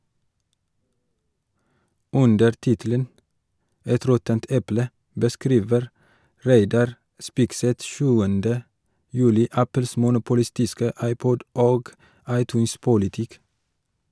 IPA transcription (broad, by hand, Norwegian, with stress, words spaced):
ˈʉndəɾ ˈtɪtələn ˈɛt ˈɾɔtənt ˈɛplə bəˈskɾiːʋəɾ ˈɾæɪdɑɾ ˈspɪɡsɛt ˈʃʉːəndə ˈjʉːlɪ ˈæpl̩s mʊnʊpʊˈlɪstɪskə ˈɑɪˌpɔɟ ˈoːɡ ˈɑɪˌtʉːns pʊlɪˈtɪk